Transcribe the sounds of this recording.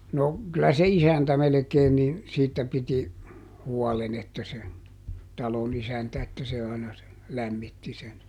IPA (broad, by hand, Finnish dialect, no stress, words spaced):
no kylæ se isæntæ melĕkeːn ni siːtːæ piti huɔlen etːæ se tɑlon isæntæ etːæ se ɑinɑ se læmːitːi sen